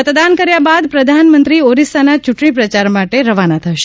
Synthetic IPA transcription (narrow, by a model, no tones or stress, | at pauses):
ət̪d̪ankəɾjabad̪pɾəd̪ʱanmənt̪ɾioɾisanat͡ʃuʈɳ̃ipɾət͡ʃaɾmaʈeɾəʋanat̪ʰəʃe